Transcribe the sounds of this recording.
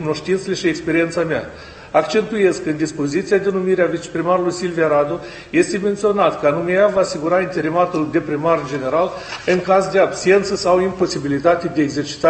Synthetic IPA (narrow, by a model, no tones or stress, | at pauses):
uno̞ʃt̪int̪seleʃiekspe̞ɾie̞nt̪samea̰ | akt͡ʃe̞nt̪uje̞skɨnd̪ispo̞zit̪siad̪e̞numiɾeavit͡ʃe̥pɾimaɾulujsilvijaɾad̪o | je̞st̪eme̞nt̪sio̞nat̪kəanumejavaːsiɡuɾaint̪e̞ɾimat̪uld̪e̞pɾimard͡ʒe̞ne̞ɾalɨŋkazd̪e̞abse̞nt̪səsawimpo̞sibilit̪at̪ed̪e̞eɡze̞rt͡ʃi̥t̪a